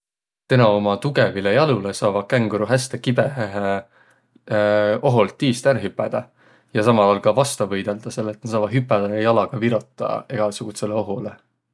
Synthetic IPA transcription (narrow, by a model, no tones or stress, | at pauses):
t̪enɑomɑt̪uɡevilejɑlulesɑːvɑkæŋɡ̥uɾuɦæst̪ekibe̞ɦeɦe | o̞ɦolt̪ːiːst̪ænɦypːˑæd̪̥ɑ | jɑsɑmɑlolkɑvɑst̪ɑvɤjd̪̥e̞ld̪̥ɑse̞lːet̪nesɑːvɑ̥ɦypːˑæd̪ejɑlɑɡ̥ɑviɾot̪ˑːɑ̰e̞ɡ̥ɑsuɡ̥use̞leo̞ɦole